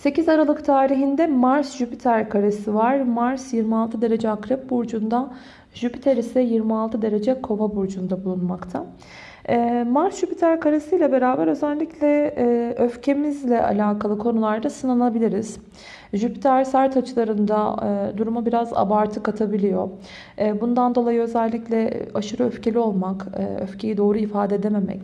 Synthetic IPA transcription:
se̞cizaɾalˠɯkt̪ʰaːɾiɦind̪ɛmaɾsʒypit̪ʰæɾkʰaɾesivaɾmaɾsjiɾmialˠt̪ʰɯd̪e̞ɾe̞d͡ʒɛakɾɛp̚buɾd͡ʒund̪a | ʒypi̥t̪ʰeɾisɛjiɾmialˠt̪ʰɯd̪e̞ɾe̞d͡ʒɛkʰo̞vabuɾd͡ʒund̪abulˠunmakt̪ʰa | maɾsʒ̥ypit̪ʰæɾkʰaɾesɯjlʲɛbe̞ɾaːbæɾøzælʲːiclʲɛøfcʰe̞mizlʲɛʔa̰lʲaːkʰalˠɯkʰo̞nulˠaɾd̪asɯnanˠabilʲiɾiz̥ | ʒypi̥t̪ʰæɾsæɾt̪ʰat͡ʃʰɯlˠaɾɯnd̪ad̪uɾumabiɾaza̰baɾt̪ʰɯkat̪ʰabilʲijo̞̰ː | bund̪and̪o̞lˠajɯøzɛlʲːiclʲɛaʃɯɾɯøfce̞lʲio̞lˠmakːø̰fcʰe̞jid̪o̞ːɾuifaːd̪ed̪eme̞mɛ̰c

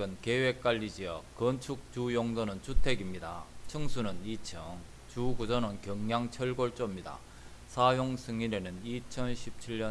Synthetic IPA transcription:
ɡɯnke̞we̞k͈aʎːid͡ʑiʌk͈ːɯnt͡ɕʰuk̚t͡ɕujoŋsʰʌnɯnt͡ɕʰutʰe̞ɡimɲida̰t͡ɕʰɯŋsʰunɯnit͡ɕʰʌŋ | t͡ɕuɡud͡ʑʌnɯnkjʌŋːjaŋt͡ɕʰʌɭɡoɭt͡ɕ͈omɲida̰ | sʰajoŋsʰɯŋiɾe̞nɯnit͡ɕʰʌnɕʰip̚t͡ɕʰiʎːʌ

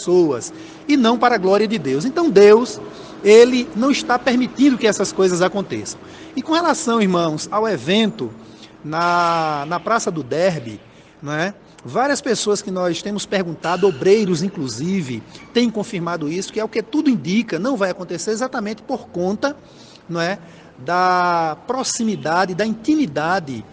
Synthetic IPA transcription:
esoɐs | ɪnɐ̃w̃paɾɐɡlɔɾiɐd̪ɪd̪ews̬ẽt̪ɐ̃w̃d̪ews | elɪnɐ̃w̃ɪʃt̪apeɾmit̪ĩnd̪ʊkɪɛsɐskojzɐzakõnt̪esɐ̃w̃ | ɪkõhelasɐ̃w̃iɾmɐ̃w̃sawevẽnt̪ʊnɐnɐpɾasɐd̪ʊd̪ɛɾbɪ̰ | ñɛ | vaɾiɐspesoɐskɪnɔst̪ẽmʊspeɾɡũnt̪ad̪ʊobɾejɾʊzĩkluzivɪt̪ẽj̃kõfiɾmad̪ʊisʊ̥kɪɛʊkɪt̪ud̪ʊĩnd̪ikɐnɐ̃w̃vajakõnt̪eseɾezat̪ɐmẽnt̪ɪ̥poɾkõnt̪ɐ | nõɛ | d̪ɐpɾosĩmid̪ad̪ɪd̪ɐĩt̪ĩmid̪ad̪ɪ

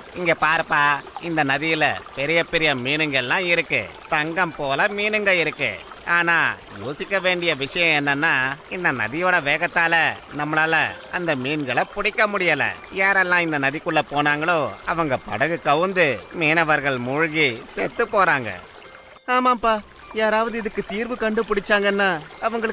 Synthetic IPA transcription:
ɪŋɡeːpaːɾpaːɪnd̪ɐnɐðɪjɪlɐ̰pɛɾɪjɐpɛɾɪjɐmiːnɯŋɡɐɛlːãːɪɾɯkːɯ̰ | t̪ɐŋɡɐmpoːlɐmiːnɯŋɡɐɪɾɯkːɯ̰ | aːnaː | joːsɪkːɐʋeːɳɖɪjɐʋɪʂɐjɐ̃ɛnːɐnːaːɪnd̪ɐnɐ̰ðɪjoːɽɐʋeːɣɐt̪ːaːlɐnɐmːɐnaːlɐɐnd̪ɐmiːnɡɐɭɐpʊɽɪkːɐmʊɽɪjɐlɐ̰jaːɾɛlːãːɪnd̪ɐnɐðɪkʊɭːɐpoːnaːŋɡɐɭoːɐʋɐŋɡɐpɐ̰ɽɐɣɯkɐʋɯnd̪ɯmeːnɐʋɐɾɣɐɭmʊɻʊɣiseːɾt̪ːɯpoːɾaːŋɡɐ̰ | aːmaːmpaː | jaːɾaːʋɐðɯɪðɯkːɯt̪iːɾʋɯkɐɳɖɯpʊɽɪt͡ʃːaːŋɡɐnːaːɐʋɐŋɡɐɭɯ

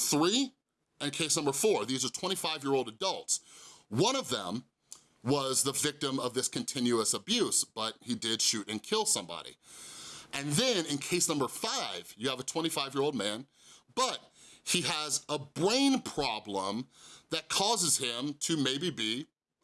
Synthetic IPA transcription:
θɹi | ɨ̃nkʰeɪsnʌ̃mbə˞fɔɹðizə˞tʰw̥ɛ̃ɾ̃ifaɪvjɪɹoʊlˠdɨdʌlˠtswʌ̃ɾ̃ʌvðə̰̃m | wʌzðəvɪk̚tə̃mʌvðɪskʰɨ̃n̩tʰɪ̃njʉəsəbjʉsb̥ʌt̚hidɪd̥ʃʉɾɨ̃nkʰɪlˠsʌ̃mbɑ̰ɾḭ | ʔɨ̃nðɨ̃nɨ̃nkʰeɪsnʌ̃mbə˞faɪv̥jɨːvətʰw̥ɛ̃ɾ̃ifaɪvjɪɹoʊlˠd̚mæ̃n | b̥ʌt̚hiəzəbɹẽɪ̃npʰɹ̥ɑblə̃mðɨt̚kʰɔzɨz̥ɪ̃mtʰɨmeɪbibi

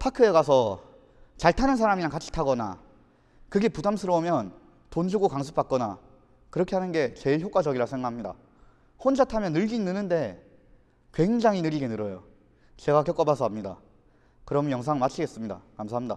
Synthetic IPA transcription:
pʰakʰɯe̞kasʰʌ | t͡ɕaɭtʰanɯnsʰaɾaminakat͡ɕʰi̥tʰaɡʌna̰ | kɯɡe̞pudamsʰɯɾʌumjʌn | tond͡ʑʰuɡokaŋsʰu̥p͈̚ak͈ʌna̰ | kɯɾʌkʰe̞anɯnɡe̞t͡ɕe̞ɭçjok͈wad͡ʑʌɡiɾasʰe̞ŋɡaɦamɲida̰ | hond͡ʑatʰamjʌnːɯɭɡinːɯnɯnde̞ | kwe̞ŋd͡ʑaŋɦinɯɾiɡe̞nɯɾʌjo | t͡ɕe̞ɡakjʌk͈ʌbasʰʌɦamɲida̰ | kɯɾʌmnjʌŋs̬ʰaŋmat͡ɕʰiɡe̞s͈ɯmɲida̰kams̬ʰaɦamɲida

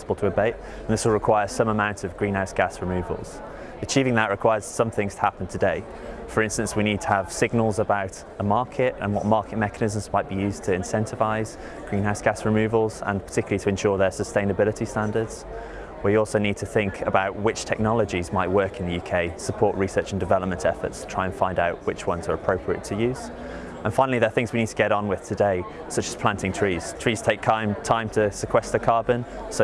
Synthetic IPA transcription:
səb̥əlˠtʰəəbeɪt | ə̃nðɪswəl̩ˠɹɪkʰw̥aɪəsʌ̃məmãʊ̃ntʰəvɡɹĩːnɦaʊsɡ̥asɹɪmʉːvə̰lˠz̥ | ət͡ʃʰiːvɪ̃ŋðəʔɹɪkʰw̥aɪəz̥sʌ̃mθɪ̃ŋz̥tʰə̥hapə̃n̩tʰədeɪ | fəɹɪ̃nstə̃nswiniːd̚tʰəəv̥sɪɡ̚nəlˠzəbaʊt | əmɑˑkʰɪtə̰̃nwɒ̰ʔmɑˑkɪʔ̚mɛkənɪzə̃m̩zmaɪʔ̚b̥ijʉːztʰəɪ̃nsɛ̃ntɪvaɪz̥ | ɡ̥ɹĩnɦaʊsɡ̥asɹɪmʉːvəlˠzə̰̃npʰə̥tʰɪkjl̩ˠitʰəɛ̃nʃɔːðəsəstẽɪ̃nəbɪlɪtʰistãndədz̥ | wijɔˑlˠsoʊniːd̚tʰəθɪ̃ŋkʰəbaʊʔwɪt͡ʃtʰɛk̚nɒləd͡ʒizmaɪʔwɜˑkɪ̃nðəjʉːkʰeɪsəpʰɔˑʔɹisɜˑt͡ʃə̃ndɪvɛləp̚mə̃ntʰɛfə̰tstʰətʰɹ̥aɪə̃nfãɪ̃ndaʊʔwɪt͡ʃwʌ̃nzəɹəpʰɹ̥əʊpʰɹiə̰tʰəjʉːz̥ | ʔə̃nfãɪ̃nlˠiðəθɪ̃ŋzwiniːd̚tʰəɡɛɾn̩wɪð̥tʰədeɪ | sʌt͡ʃəz̥pʰl̥ãntɪ̃ŋtʰɹ̥iːz̥tʰɹ̥iːz̥tʰeɪkʰãɪ̃mtʰãɪ̃mtʰəsɪkʰw̥ɛst̪ðəkʰɑːbə̃n | soʊ

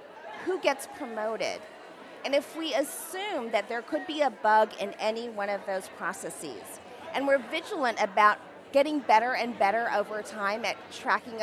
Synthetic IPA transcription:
huɡɛtspʰɹ̥ɨmoʊɾɪ̰ɾ | ɨ̃nɨfwiɨsʉ̃mðɨt̪̚ðə˞kʰɨd̚biɨbʌɡɪ̃nɛniwʌ̃ñʌvðoʊz̥pʰɹ̥ɑsɛsḭz̥ | ʔɨ̃nwɪɹvɪd͡ʒl̩ˠə̃ntɨbaʊt̚ | ɡ̥ɛɾɪ̃ŋbɛɾə˞ɨ̃nbɛɾə˞ʔoʊvə˞tʰãɪ̃mɨtʰɹ̥ækɪ̃ŋ

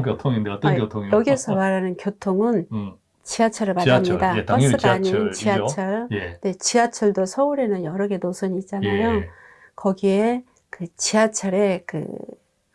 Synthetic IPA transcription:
kotʰoŋindet͈kjotʰoŋjʌɡiesʰʌmaɾanɯnkjotʰoŋɯn | t͡ɕiat͡ɕʰʌɾɯɭmatɯmɲidat͈ʌs͈ɯaɲint͡ɕiat͡ɕʰʌɭjne̞t͡ɕiat͡ɕʰʌɭdosʰʌuɾe̞nɯnjʌɾʌɡe̞nosʰʌɲiit͡ɕ͈anajo | kʌɡie̞ | kɯt͡ɕiat͡ɕʰʌɾe̞kɯ̰

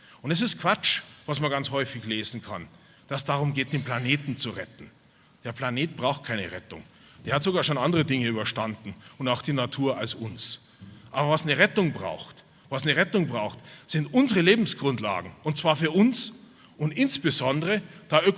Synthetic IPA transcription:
ʔʊntɛs̬ɪst̚kʰv̥at͡ʃvasmanɡant͡shɔʏfɪçleːzn̩kʰa̰n | d̥assd̥aʁʊmɡeːt̚d̥eːnpl̥aneːtn̩t͡suʁɛtn̩ | d̥eːɐpʰl̥aneːt̚b̥ʁaʊxt̚kʰaɪnə̰ʁɛtʊ̰ŋ | d̥eːɐhatz̥oɡaːɐʃoːnandəʁədɪŋəyːbɐʃtandn̩ʊndaʊxd̥iːnatʰuːɐalsʊnsʔaːbɐvasnəʁɛtʊŋbʁa̰ʊxt | vasnəʁɛtʊŋbʁaʊxtz̥ɪntʔʊnzəʁəleːbm̩sɡ̥ʁʊntla̰ːɡŋ̩ʊnt̚t͡sv̥aːɐfyːɐʔʊns | ʔʊntɪnsb̥ɪzɔndəʁəd̥aːʔø

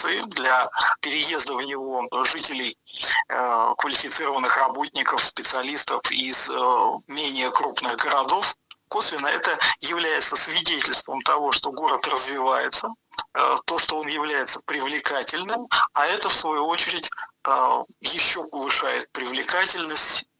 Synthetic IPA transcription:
sɨɪd̪lʲɐpʲɪɾʲɪje̞zd̪əvnʲɪvo̞ʐɨtʲɪlʲɪj | kvəlʲɪfʲɪt̪sɨɾəvənːɨxrɐbo̞tʲnʲɪkəfspʲɪt̪sɨɐlʲist̪əfizmʲenʲɪjəkɾupnɨɣɡəɾɐd̪o̞fko̞svʲɪnəɛt̪əjɪvlʲæjɪt̪səsvʲɪdʲetʲɪlʲst̪vəmt̪ɐvo̞ʂt̪o̞ɡo̞ɾət̪rəzvʲɪvajɪt̪sə | t̪o̞ʂt̪oo̞njɪvlʲæjɪt̪sə̥pɾʲɪvlʲɪkatʲɪlʲnɨmaɛt̪əfsvɐjuot͡ɕɪɾʲɪtʲəjɪɕːo̞pəvˠɨʂajɪt̪̚pɾʲɪvlʲɪkatʲɪlʲnəsʲtʲ

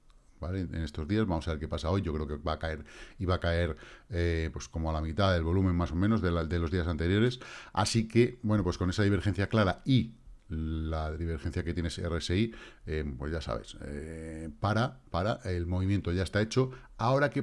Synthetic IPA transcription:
bale̞ḛne̞st̪o̞zðiazβamo̞saβeɾke̞pasao̞jʝo̞kɾe̞o̞kebakae̞ɾiβakae̞ɾepwe̞sko̞moalamit̪aðe̞lβo̞lumẽ̞mmaso̞mẽno̞zðeld̪e̞loðiasant̪e̞ɾjo̞ɾe̞sa̰sike̞bwe̞no̞pwe̞sko̞ne̞saðiβ̞e̞ɾxe̞n̟θjaklaɾai | laðiβe̞ɾxe̞n̟θjaket̪je̞ne̞sereseiepwe̞zʝasa̰βḛsepaɾapaɾaʔelmo̞βimjent̪o̞ʝaest̪ae̞t͡ʃo̞ | ao̞ɾake

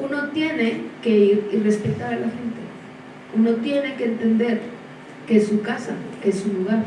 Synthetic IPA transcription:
uno̞t̪je̞ne̞ke̞iɾire̞spe̞t̪aɾalaxe̞nt̪e̞ | unot̪je̞ne̞ke̞ːnt̪e̞nd̪e̞ɾ | ke̞sukasakesuluɣ̞aɾ

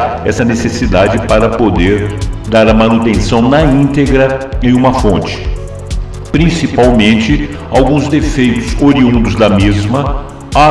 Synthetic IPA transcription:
ɛ̰sɐnesesid̪ad͡ʒɪpaɾɐpod̪eɾd̪aɾɐmɐ̃nut̪ẽsɐ̃w̃nɐĩnt̪eɡɾɐẽj̃ũmɐfõt͡ʃɪ̥ | pɾĩsipawmẽnt͡ʃɪ | awɡũzd̪efejt̪ʊzoɾiũnd̪ʊzd̪ɐmezmɐ | a

